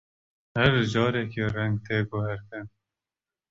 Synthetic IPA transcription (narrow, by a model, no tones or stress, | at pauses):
hɛɾd͡ʒɑːɾɛkiːrɛŋɡ̚t̪ʰeːɡʊhɛɾk̪ɨn